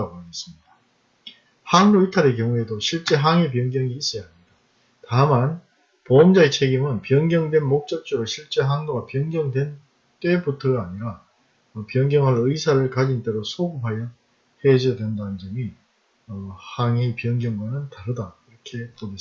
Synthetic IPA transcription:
aɡoanes͈ɯmɲida | haŋɾoitʰaɾekjʌŋue̞doɕʰiɭt͡ɕ͈e̞ɦaŋep̬jʌŋɡjʌŋiːs͈ʌjaɦmɲida | taman | poʌmd͡ʑaet͡ɕʰe̞ɡimɯnpjʌŋɡjʌŋdwe̞nmok̚t͡ɕ͈ʌt͡ɕ͈uɾoɕʰiɭt͡ɕ͈e̞ɦaŋɡoɡapjʌŋɡjʌŋdwe̞n | t͈e̞butʰʌɡaːɲiɾa | pjʌŋɡjʌŋɦaɾɯisʰaɾɯɭkad͡ʑint͈e̞ɾosʰoɡupɦajʌ | he̞d͡ʑʌdwe̞ndanɯnd͡ʑʌmi | ʌhaŋipjʌŋɡjʌŋwanɯntaɾɯdaiɾʌkʰe̞pone

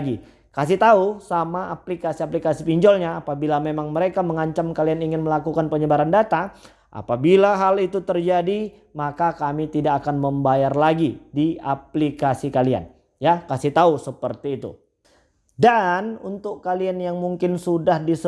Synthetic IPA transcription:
ɡi | kasɪht̪ausamaːplikasiaplikasipiɲd͡ʒɔlɲaːpabilamemaŋməɾekaməŋaɲt͡ʃamkalianiŋɪnməlakukanpəɲəbaɾandat̪a | ʔa̰pabilaɦalit̪ut̪ərd͡ʒadi | makakamit̪idakakanməmbajarlaɡidiap̚likasikalia̰n | jakasiht̪ausəpərt̪iːt̪ṵ | danunt̪ʊkːalianjaŋmuŋkɪnsudahdis

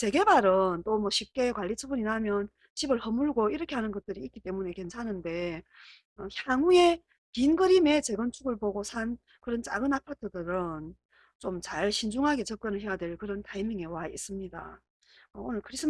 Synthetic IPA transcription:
t͡ɕe̞ɡe̞baɾɯnt͈omwʌɕʰip̚k͈e̞kwaʎːit͡ɕʰɯbuɲinamjʌn | t͡ɕibɯɭhʌmuɭɡoiɾʌkʰe̞ɦanɯnɡʌt̚t͈ɯɾiːt̚k͈it͈e̞mune̞ke̞nt͡ɕʰanɯnde̞ | ʌçjaŋue̞ | kinɡɯɾime̞t͡ɕe̞ɡʌnt͡ɕʰuɡɯɭpoɡosʰan | kɯɾʌnt͡ɕ͈a̰ɡɯnapʰatʰɯdɯɾɯn | t͡ɕomt͡ɕaɭɕʰind͡ʑuŋɦaɡe̞t͡ɕʌp̚k͈ʌnɯɭɦe̞jadweɭkɯɾʌntaimjʌŋe̞wais͈ɯmɲida̰ | ʌonɯnkʰɯɾisʰɯ

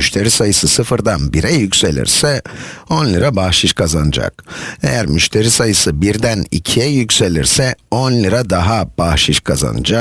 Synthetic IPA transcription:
yʃt̪ʰe̞ɾisajɯsɯsɯfɯɾd̪anbiɾɛjycse̞lʲḭɾsɛo̞nlʲˠiɾabahʃiʃkʰazanɯd͡ʒa̰k̚e̞̰jæɾmyʃt̪ʰe̞ɾisajɯsɯbiɾd̪ænḭcʰijɛjycʲse̞lʲḭɾsɛonlʲˠiɾad̪aɦab̥ahʃiʃkʰaza̰nɯ̰d͡ʒa

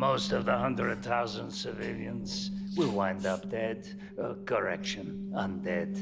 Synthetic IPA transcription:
moʊstʌvðəhʌ̃ndɹɨd̪̚θaʊzə̃ndsɨvɪlˠjɨ̃nz̥wiwãɪ̃ndʌp̚d̥ɛd | ɡə˞ɛkʃɨ̃n | ə̃ndɛd̥

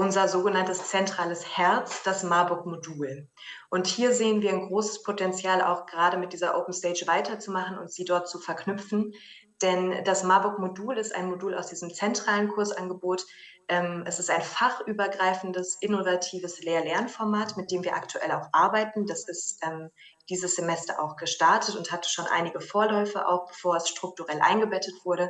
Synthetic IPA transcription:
ʔʊnzɐzoːɡənantəst͡sɛntʁ̥aːləshɛɐt͡sd̥asmaːbʊkmoduːl | ʔʊnthiːɐzeːənviːɐaɪnɡʁoːsə̥spʰotɛnt͡sjaːla̰ʊxɡ̥əʁaːɾəmɪt̚d̥iːzɐʔo̰ʊpn̩stɛɪt͡ʃv̥aɪtɐt͡sumaχn̩ʊ̰ntz̥iːdɔɐt̚t͡sufɛɐkʰnʏpfn̩ | d̥ɛnd̥asmabʊkmoduːlɪsta̰ɪnmoduːlaʊsd̥iːzəmt͡sɛntʁ̥aːlənkʰʊɐsʔanɡəboːt | ʔɛːmʔɛsɪstaɪnfaχʔyːbɐɡʁaɪfn̩dəsʔɪnovatʰiːvəsleːɐlɛɐnfɔɐmaːtmɪt̚d̥eːmviːɐʔa̰ktʰuʔɛ̰laʊxʔaɐbaɪtn̩d̥asɪstʔɛːm | d̥iːzəsz̥emɛstɐ̰ʔa̰ʊxɡ̥əʃtaɐtətʊnthatʃoːnʔa̰ɪnɪɡəfoːɐlɔʏfəʔa̰ʊxb̥əfoːɐɛsʃtʁ̥ʊk̚tuʁɛlʔa̰ɪnɡəbɛtətv̥ʊɐɾə

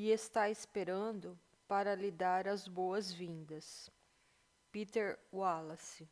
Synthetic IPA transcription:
iest̪aɪspeɾɐ̃d̪ʊ | paɾɐlid̪aɾɐzbowɐzvĩnd̪ɐs | pit̪eɾwalɐsɪ

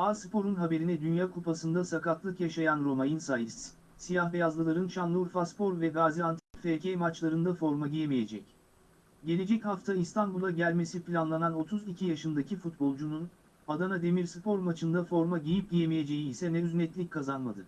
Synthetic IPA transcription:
aːspʰo̞ɾunɦabe̞ɾinɛd̪ynjaːkʰupʰasɯnd̪asakat̪ʰlˠɯkjaʃajanɾo̞majinsajit̪ | sijahvɛjazlˠɯlˠaɾɯnt͡ʃanlˠuɾfaspo̞ɾvɛɡaːziant̪ʰipfecʰɛjmat͡ʃlˠaɾɯnd̪afo̞ɾmaɟijemije̞d͡ʒɛ̰c | ɟe̞lʲe̞d͡ʒɛchaft̪ʰaist̪ʰanbulˠaɟælʲme̞siplʲanlˠanano̞t̪ʰuzicʰijaʃɯnd̪acʰifut̪̚bo̞lˠd͡ʒunun | ad̪anad̪e̞miɾspʰo̞ɾmat͡ʃʰɯnd̪afo̞ɾmaɟijip̚ɟijemije̞d͡ʒe̞jiːsɛnɛyznɛt̪lʲic̚kʰːazanmad̪ɯ

